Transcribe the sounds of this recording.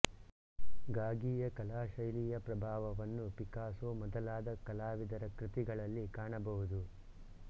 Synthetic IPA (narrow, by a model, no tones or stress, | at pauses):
ɡaːɡiːjɐkɐlaːʃɐjliːjɐpɾɐbʱaːʋɐʋɐnːupikaːsomɔd̪ɐlaːd̪ɐkɐlaːʋid̪ɐɾɐkɾit̪iɡɐɭɐlːikaːɳɐbɐɦud̪u